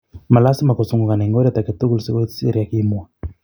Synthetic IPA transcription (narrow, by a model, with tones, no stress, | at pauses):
ma˨la˦si˦ma˨kɔ˨su˦ŋɡu˨ka˨na˨ŋɡɔ˦ɾi˦a˦t̪a˨kɛ˨t̪u˦ku˦lusi˦ko̥˦siḛ˦ɾija˨ki˦mu˨a˨